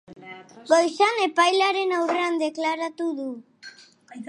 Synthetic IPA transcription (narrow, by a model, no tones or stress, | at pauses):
ɡojsane̞pajlaɾe̞nawre̞and̪e̞klaɾat̪uðu